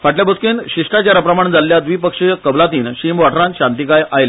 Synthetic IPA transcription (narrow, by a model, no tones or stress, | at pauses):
faʈljabəskiːnɕiʂʈat͡ɕaɾapɾəmaɳd͡zalːjad̪ʋiːpəkʂekəblat̪iːnɕimʋaʈʰɾãnɕãnt̪ikajajel